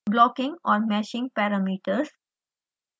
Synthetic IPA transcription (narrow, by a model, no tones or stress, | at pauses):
blɔkɪ̃ŋɔɾmɛʃɪ̃ŋpɛɾamiʈəs